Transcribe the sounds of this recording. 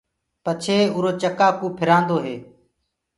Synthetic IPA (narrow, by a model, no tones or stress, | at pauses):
pət͡ʃʰeːʊɾoːt͡ʃəkaːkũːpʰɪɾãːnd̪oːɦeː